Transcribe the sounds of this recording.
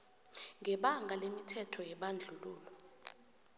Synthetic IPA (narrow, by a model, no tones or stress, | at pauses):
ŋʱɛɓaŋɡʱalemitʰɛtʰɔjɛɓand͡ɮʱuluːlɔ